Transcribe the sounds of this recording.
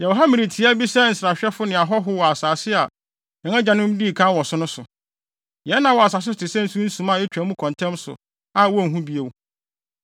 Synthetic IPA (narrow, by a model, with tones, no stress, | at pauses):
jɛ˨wɦa˦mɪ̃˨ɾi˨tʰi˨˦a˦bi˦sɛ˦n̩˨sɾa˨ɕᶣɛ˦fʊ˦nɪ̃˨a˨ɦɔ˦ɦʊ˦wɔ˨a˨saː˨sɪ˦a˨ | jɛ˨ŋã˦d͡ʑã˨nʊ̃˦m˦diː˦˨kʰã˦wɔ˨sʊ̃˦nʊ̃˦sʊ˨ | jɛ˨˦nːã˨wɔ˨a˨s̬a˨s̬ɪ˦˨tʰɪ˨sɛ̃˦n̩˦su˦n̩˦sũ˨mã˦˨ɛ˦t͡ɕᶣɛ˨˦mũ˦kʰɔ̃˨ntʰɛ̃˦msʊ̰˨ | a˨wɔ˦˨ɦũ˦bi˦e˨wu˨